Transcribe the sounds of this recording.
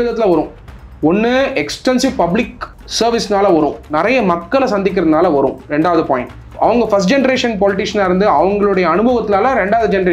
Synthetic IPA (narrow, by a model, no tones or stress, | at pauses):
ɪðɐt̪ːɪlɐʋɐɾʊ̃ | ɔnːɯɛksʈɛnsɪʋpɐblɪk | sɐɾʋɪsnaːlɐʋɐɾʊ̃nɪɾɐjɐmɐkːɐɭɐsɐnd̪ɪk̬ːɪɾɐðɯnaːlɐʋɐɾʊ̰̃ɾɛɳɖaːʋɐðɯpoːjɪ | ɐ̰ʋɐŋɡɐfɐsʈd͡ʒɛnɐɾeːʂɐnpɔːlɪʈ̬ɪʂɐnaːɪɾɯnd̪ɯɐʋɐŋɡɐɭɯɽɐjɐːnɯbɐʋɐt̪ːɪnaːlɐɾɛɳɖaːʋðɯd͡ʒɛnɐɾeː